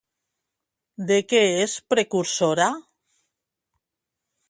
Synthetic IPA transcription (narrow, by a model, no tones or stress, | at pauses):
d̪ekeespɾekuɾsoɾa